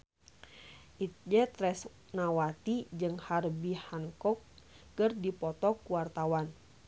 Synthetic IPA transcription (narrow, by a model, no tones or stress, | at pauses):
ʔit̪̚d͡ʒɛt̪ɾɛs | nawat̪id͡ʒɨŋharbihaŋkɔk̚ː | ərdipɔt̪ɔkuwart̪awan